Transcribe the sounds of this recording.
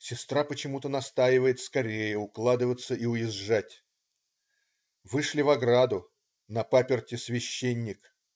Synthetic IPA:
sʲɪst̪ɾapət͡ɕɪmut̪ənɐst̪ajɪvəjɪt̪skɐɾʲejəʊklˠad̪ɨvət̪səʔiʊjɪʐːatʲ | vɨʂlʲɪvɐɡɾad̪ʊ | nɐpapʲɪrtʲɪsvʲɪɕːenʲːɪk

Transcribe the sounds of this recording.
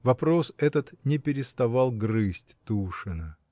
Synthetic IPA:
vɐpɾo̞sɛt̪ət̪nʲɪpʲɪɾʲɪst̪ɐvalˠɡrɨsʲtʲt̪uʂɨnə

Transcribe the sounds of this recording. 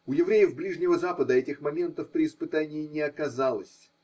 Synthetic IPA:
ʊjɪvɾʲejɪfblʲiʐnʲɪvəzapəd̪əɛtʲɪxmɐmʲe̞nt̪əfpɾʲɪːspɨt̪anʲɪːnʲɪɐkɐzalˠə̰sʲ

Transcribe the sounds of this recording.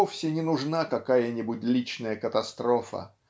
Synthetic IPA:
ofsʲɪnʲɪnʊʐnakɐkajənʲɪbʊt̚ʲlʲit͡ɕnəjəkət̪ɐst̪ɾofə̰

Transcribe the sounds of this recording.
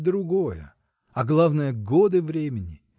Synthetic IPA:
d̪ɾʊɡo̞jə̰ | ɐɡlˠavnəjəɡod̪ɨvɾʲemʲɪnʲɪ

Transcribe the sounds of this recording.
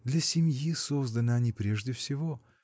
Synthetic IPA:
d̪lʲɐsʲɪmʲjisozd̪ənəɐnʲipɾʲeʐdʲɪfsʲɪvo

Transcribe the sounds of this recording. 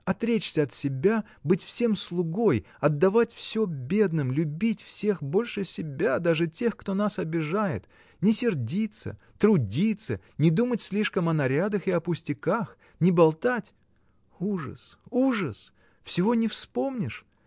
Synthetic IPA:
ɐt̪ɾʲet͡ɕsʲəɐt̪sʲɪbʲa | bɨtʲfsʲe̞mslˠʊɡo̞j | ɐd̪ːɐvatʲfsʲobʲe̞d̪nɨmlʲʊbʲitʲfsʲe̞xbo̞lʲʂɨsʲɪbʲad̪aʐɨtʲe̞xkt̪o̞nasɐbʲɪʐajɪ̰t̪ | nʲɪsʲɪrdʲit̪sə̰ | t̪ɾʊdʲit̪sə | nʲɪd̪umətʲsʲlʲiʂkəmɐnɐɾʲad̪əxɨɐpʊsʲtʲɪkax | nʲɪbɐlˠt̪atʲ | uʐə̰suʐəs | fsʲɪvo̞nʲɪfspo̞mnʲɪʂ

